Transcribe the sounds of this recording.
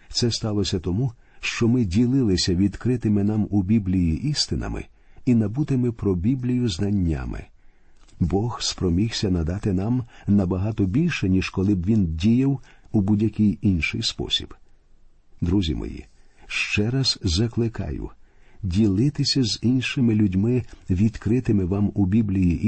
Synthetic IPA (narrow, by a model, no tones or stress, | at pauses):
t̪sɛst̪ɑlˠɔsʲɐt̪ɔmu | ʃt͡ʃɔmɪdʲilˠɪlˠɪsʲɐʋʲid̪kɾɪt̪ɪmɪnɑmubʲiblʲijiʔist̪ɪnɐ̰mɪ̰ | inɐbut̪ɪmɪpɾɔbʲiblʲijʊznɐnʲːa̰mɪ̰ | bɔxspɾɔmʲixsʲɐnɐd̪ɑt̪ɪnɑmnɐbɐɦɑt̪ɔbʲilʲʃɛnʲiʒkɔlˠɪbʋʲindʲijɐwubudʲjɐkʲɪjinʃɪjspɔ̰sʲḭb̥ | d̪ɾuzʲḭmɔ̰jḭʃt͡ʃɛɾɐz̥zɐklˠɪkɑ̰jʊ̰dʲilˠɪt̪ɪsʲɐzinʃɪmɪlʲʊdʲmɪʋʲid̪̥kɾɪt̪ɪmɪʋɑmubʲiblʲijiʔ